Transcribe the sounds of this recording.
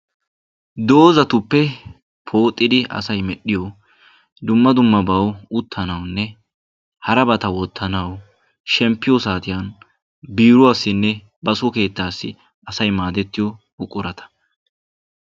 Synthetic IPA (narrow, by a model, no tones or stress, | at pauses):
d̪o̞ːzɐt̪ʊpːɛ | pʰo̞ːt̪ʼːɪd̪ɪɐ̰sɐjmɛɗɪjɔ | d̪ʊmːɐd̪ʊmːɐbɐwʊt̪ʰːɐnɐwnːɛ | hɐɾɐbɐt̪ɐwɔt̪ʰːɐnɐw | ʃɛmpːɪjɔsaːt̪ɪjan | biːɾʊɐsːɪnːɛ | bɐsɔke̞ːt̪ːaːsːɪ̰ | ɐsɐjmaːd̪ɛt̪ːɪjɔ | ʊkʼːʊɾɐt̪ɐ̥